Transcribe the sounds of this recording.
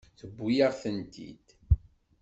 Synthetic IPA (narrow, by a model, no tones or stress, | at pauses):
θəbːujaʁθənt̪ʰḭd̪̥